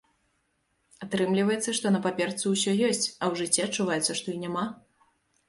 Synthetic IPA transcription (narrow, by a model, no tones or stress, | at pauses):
at̪ɾɨmlʲivɐjɛt̪sːɐʂt̪ɔnɐpapʲɛrt̪suwsʲɔjɔsʲt͡sʲɐwʐɨt͡sʲːɛɐt͡ʂːuvajɛt̪sɐʂt̪ɔinʲama